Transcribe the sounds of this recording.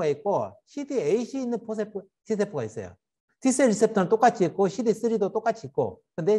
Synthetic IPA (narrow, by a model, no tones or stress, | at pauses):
aik͈oɕʰidieiɕʰiːnːɯnpʰos̬ʰepʰ | tis̬ʰepʰoɡais͈ʌ̰jo̰ | tis͈eɾisʰep̚tʰɯnɯnt͈ok͈at͡ɕʰiit̚k͈oɕʰidis͈ɯɾidot͈ok͈at͡ɕʰiit̚k͈o̰kɯnde̞